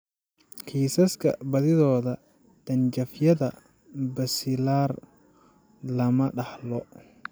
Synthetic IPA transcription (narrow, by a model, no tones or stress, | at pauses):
kʰiːsɐskʰɐ̰bɐðɪðɔːðɐ | d̪̥ɐnt͡ʃɐfjɐðɐ | bɐsɪlaːr | lɐmɐɖɑħlɔ